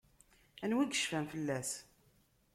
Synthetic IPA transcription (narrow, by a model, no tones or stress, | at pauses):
ænwiɡəʃfæmfəlːæs